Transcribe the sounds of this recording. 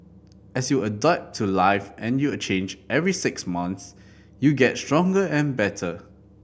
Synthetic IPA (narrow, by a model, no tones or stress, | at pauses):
ʔɛsjuədap̚tʰːulaɪfɛ̃njuət͡ʃẽnd͡ʒɛvɹisɪksmãns | juɡɛtstɹɔ̃ŋɡəɛ̃nbɛtʰə